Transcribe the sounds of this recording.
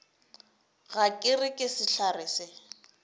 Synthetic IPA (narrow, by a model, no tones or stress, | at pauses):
ɣakʼɪrɪkʼɪsɪɬarɪːsɪ